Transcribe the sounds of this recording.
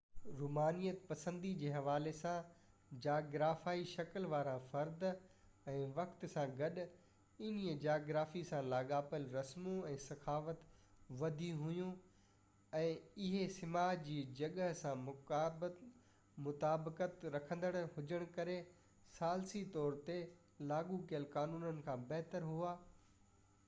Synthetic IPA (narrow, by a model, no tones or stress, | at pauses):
ɾuːmaːnijət̪pɐsə̃nd̪id͡ʑeːɦɐʋaːlesã | d͡ʑaːɡɾaːfaːiʃɐkəlʋaːɾãfɐɾd̪ | ɛ̃ːʋɐkt̪sãɡɐɗ | ɪniəd͡ʑaːɡɾaːfisãlaːɠaːpəlɾɐsmũɛ̃ːsɐxaːfət̪ʋɐd̪ʱiɦʊjũ | ɛ̃ːɪɦesɪmaːd͡ʑiːd͡ʑɐɠəɦsãmʊkaːbt | mʊt̪aːbkət̪ɾɐkʰə̃nd̪əɽ̃hʊd͡ʑəɽ̃kɐɾe | saːlsit̪ɔːɾt̪e | laːɠukijəlkaːnuːnənɪ̆kʰãːbɐɦt̪əɾɦuaː